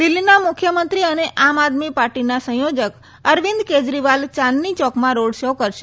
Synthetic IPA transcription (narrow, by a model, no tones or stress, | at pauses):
d̪ɪlːinamʊkʰjəmənt̪ɾiəneʔamad̪mipaɾʈinasə̃ɦjod͡ʒək | əɾʋĩnd̪ked͡ʒɾiʋalt͡ʃanːit͡ʃɔkmãɾoɽʃəwkəɾʃe